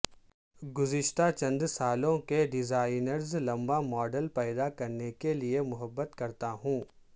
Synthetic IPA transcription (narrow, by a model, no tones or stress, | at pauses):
ɡʊzɪʃt̪at͡ʃɐ̃nd̪saːlõkeɖɪzaːɪnəɾzlɐ̃mbamɔːɖəlpɛːd̪akɐɾnekeliemʊɦəbːət̪kɐɾt̪aɦũː